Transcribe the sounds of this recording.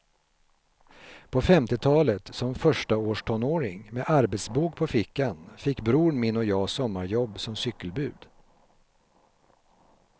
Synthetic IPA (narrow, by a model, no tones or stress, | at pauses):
pʰɔfɛmt̪ɪt̪ʰɑːlət̪sɔmfœʂʈaoːʂʈʰɔnːoːɾɪŋmeʔaɾbɛt̪sbuːkpʰɔfɪkːanfɪkːbɾuːɳmɪnːɔjɑːsɔmːaɾjɔbːsɔmsʏkːəlbʉ̟ːd̪̥